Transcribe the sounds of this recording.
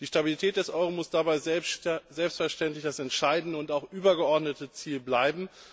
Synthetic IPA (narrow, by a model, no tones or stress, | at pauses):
d̥iːʃtabilitʰɛːt̚d̥ɛsʔɔʏʁomʊsd̥abaɪzzɛlpstfɛɐʃtɛntlɪçd̥asɛntʃaɪdn̩dəʊntaʊxʔyːbɐɡəɔɐdnətət͡siːlblaɪbm̩